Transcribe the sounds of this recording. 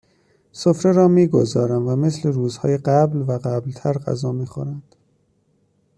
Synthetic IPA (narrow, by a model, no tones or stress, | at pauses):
sofɾe̞ɾɒːmiːɡo̞zɒːɾæmvæme̞sle̞ɾuːzhɒːjeɢæblvæɢæblt̪ʰæɾɢæ̰zɒːmiːxo̰ɾænd̪̥